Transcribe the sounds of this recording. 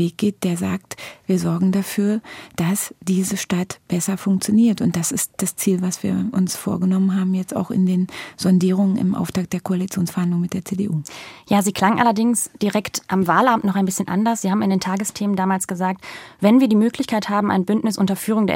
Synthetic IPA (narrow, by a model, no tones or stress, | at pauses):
veːk̚ɡ̥eːt̚d̥eːɐza̰ːktviːɐzɔɐɡŋ̩dafyːɐd̥asd̥iːzəʃtatb̥ɛsɐfʊŋk̚t͡sjoniːɐtʊnt̚d̥asɪstd̥ast͡siːlvasv̥iːɐʔʊnsfo̰ːɐɡənɔmənɦaːbm̩jɛt͡sta̰ʊxɪ̰ndeːnzɔndiːʁ̞ʊŋənɪ̰mʔa̰ʊftʰaːk̚d̥eːɐkʰoalit͡sjoːnsfɛɐhandlʊŋmɪt̚d̥eːɐt͡seːdeʔuːjaːziːkʰl̥aŋʔa̰lɐdɪŋsd̥iʁɛktʔamvaːlʔamtnɔχaɪnbɪsçənʔa̰ndɐsz̥iːhaːm̩ɪndeːntʰaːɡəstʰeːməndaːmaːlsɡ̥əzaːk̚tvɛnviːɐdiːmøːklɪçkʰaɪthaːbm̩ʔa̰ɪnbʏntnɪsʔʊ̰ntɐfyːʁ̞ʊŋdḛːɐ̰